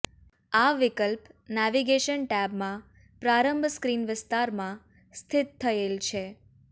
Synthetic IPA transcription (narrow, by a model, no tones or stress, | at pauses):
aʋɪkəlpnɛʋiɡeʃənʈɛbmã | pɾaɾəmbʱskɾinʋɪst̪aɾmã | st̪ʰɪt̪ʰːəelt͡ʃʰe